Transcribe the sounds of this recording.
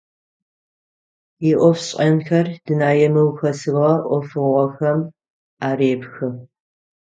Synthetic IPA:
jɪʔʷɔfɕʼɐnxɐrd̥ɨnaːjɛmɐwxɐsɨʁɐʔʷɔfɨʁʷɔxɐm | aːɾeːbxɨ

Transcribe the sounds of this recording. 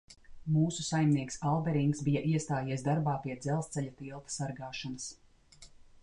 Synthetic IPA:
muːsusajmniɛksalˠbɛɾiŋksbijaʔiɛst̪aːjiɛsd̪aɾbaːpiɛd̪zɛlˠst̪ɛʎat̪ilˠt̪ḁsaɾɡaːʃɔnɐs

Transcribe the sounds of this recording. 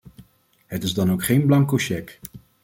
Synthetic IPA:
ɦətɪzdɑnowkχejnblɑŋkoʃɛk

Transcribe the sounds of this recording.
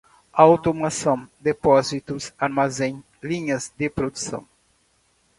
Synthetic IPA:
aawt̪omasɐ̃w̃d̪epɔzit̪usaɾmazẽj̃ | lĩɲɐzd̪ɪpɾod̪usɐ̰̃w̃

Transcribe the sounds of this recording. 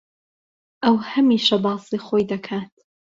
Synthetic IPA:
ʔɐwhɐmiːʃɐbɑːsiːxoːjd̪ɐkʰaːt̪

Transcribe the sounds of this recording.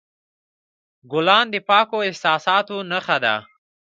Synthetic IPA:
ɡʊlɑnd̪əpɑkoɪhsɑsɑt̪onaxad̪a̰

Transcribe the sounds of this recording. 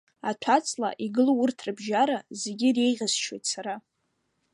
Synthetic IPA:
atʷʰat͡sʰʼla̰ʔiɡɨlowʊrtʰrɨbʒaɾazeɡʲɪre̞jʁʲazʃʰwejtʰʼsaɾa

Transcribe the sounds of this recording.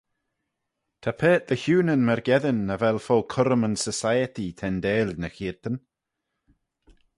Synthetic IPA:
t̪ʰapʰeːt̪̚ðəçuːnənmɛɾɡɛðɪnːəvɛlˠfɔːlkʰʊɾəmənsəsajətit̪ʰɛndeːlnəxiːɹt̪ən

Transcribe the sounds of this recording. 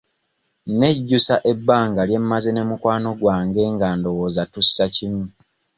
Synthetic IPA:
ne̞ɟːusaʔe̞bːaːŋɡalje̞mːazene̞mukwaːno̞ɡwaːŋɡe̞ŋɡando̞woːzatusːacimu

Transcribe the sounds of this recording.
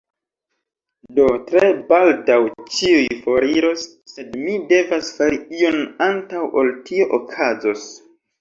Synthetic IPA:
do̞tɾe̞baldawt͡ʃiujfo̞ɾiɾo̞sːe̞dmide̞vasfaɾiio̞nantawoltio̞ʔokʰazo̞s

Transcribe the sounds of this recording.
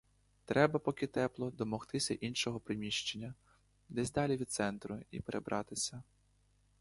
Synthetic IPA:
t̪ɾɛbɐpɔkʲɪt̪ɛplˠɔd̪ɔmɔxt̪ɪsʲɐʔinʃɔɦɔpɾɪmʲiʃt͡ʃenʲːɐ | d̪ɛzʲd̪ɑlʲiʋʲid̪̚sɛnt̪ɾʊḭpeɾʔebɾʔɑt̪ɪsʲɐ

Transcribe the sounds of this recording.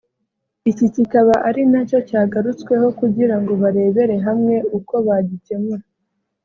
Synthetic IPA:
icicikaβaʔaɾinaco̞caːɡaɾut͡skwe̞ho̞kuɟiɾaŋɡo̞βaɾe̞ːβe̞ɾe̞ɦamŋe̞uko̞βaɟice̞muɾa

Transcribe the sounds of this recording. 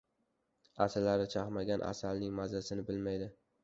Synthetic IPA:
asɪlːaɾɪt͡ʃʰaχmaɡʲanʔa̰salnɪŋmazasɪnɪbɪlmajd̪ɪ

